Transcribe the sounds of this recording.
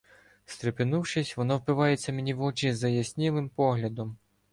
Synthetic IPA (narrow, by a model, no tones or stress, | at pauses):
st̪ɾepɪnuwʃɪsʲʋɔnɔwpɪʋɑjet͡sʲːɐmenʲiʋɔt͡ʃizɐjɐsʲnʲilˠɪmpɔɦlʲɐd̪ɔm